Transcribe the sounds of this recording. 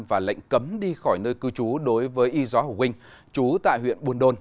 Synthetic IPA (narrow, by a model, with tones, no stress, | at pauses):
mvaː˨˩la̰˧˨jŋ̟kə˨˦mɗi˧xɔː˧˩jnəː˧jkɨ˧t͡ɕu˨˦ɗo˨˦jvəː˨˦jʔi˧zɔ˨˦ho˨˩xï˧ŋ̟ | t͡ɕu˨˦t̪a̰ː˧˨jhwḭ˧˨ənɓu˧ənɗo˧n